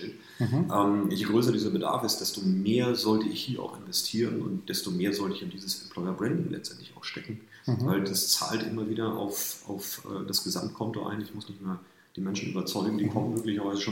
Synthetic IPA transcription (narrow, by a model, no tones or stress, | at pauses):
ɛ | ʔɛːmjeɡʁøːs̬ɐdiːzɐbəda̰ɐfɪstd̥ɛstomeːɐzɔltəɪçhiːɐʔa̰ʊxɪnvɛstʰiːʁənʊ̰nt̚d̥ɛstomeːɐzɔltəɪçɪndiːzəsɛmpʰl̥ɔʏɐbʁɛndɪŋlʔɛ̰t͡stʔɛ̰ntlɪçaʊxʃtʰɛkŋ̩ | vaɪld̥ast͡sa̰ːltʔɪmɐviːdɐʔa̰ʊfʔa̰ʊfɛ̰ːdasɡ̥əza̰mt̚kʰɔnto̰ʔa̰ɪnɪçmʊsnɪçtmaːɐl | d̥iːmɛnʃn̩ʔy̰ːbɐt͡sɔʏɡŋ̩diːkʰɔmənmøːklɪçɐvaɪzəʃoː